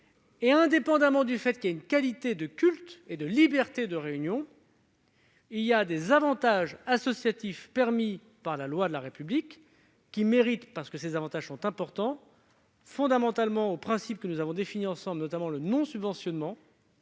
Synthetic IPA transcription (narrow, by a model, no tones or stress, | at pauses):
eɛ̃d̪epɑ̃d̪amɑ̃d̪yfɛt̪kʲiljaynkalit̪ed̪əkʲylt̪ed̪əlibɛʁt̪ed̪əʁeynjɔ̃ | iljad̪ezavɑ̃t̪aʒasɔsjat̪ifpɛʁmi | paʁlalwad̪əlaʁepyblikː | imeʁit̪paʁsə̥kəsezavɑ̃t̪aʒsɔ̃t̪ɛ̃pɔʁt̪ɑ̃ | fɔ̃d̪amɑ̃t̪almɑ̃opχɛ̃sip̚kənuzavɔ̃d̪efiniɑ̃sɑ̃blnɔt̪amɑ̃lənɔ̃sybvɑ̃sjɔnmɑ̃